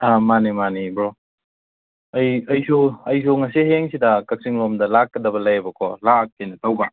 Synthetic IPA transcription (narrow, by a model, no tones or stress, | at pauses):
amanimanibɾɔ | ɐjɐjsoɐjs̬oŋɐsiɦeŋsidɐkak̚siŋɾɔmdɐlakːɐdɐbɐlajbɐkʰɔlak̚ːajnɐtawba